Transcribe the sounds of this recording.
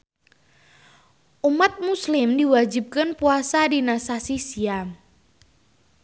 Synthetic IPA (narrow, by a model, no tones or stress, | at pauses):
ʔumat̪̚muslɪmdiwad͡ʒi̤p̚kənpuasadinasasisiam